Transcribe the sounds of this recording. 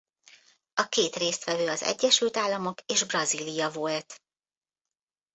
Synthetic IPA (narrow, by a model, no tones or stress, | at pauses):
ɒkeːt̪reːst̪ʋɛvøːɒzɛ̰ɟːɛʃylt̪aːlːɒmo̞keːʒbrɒzilijɒvolt̪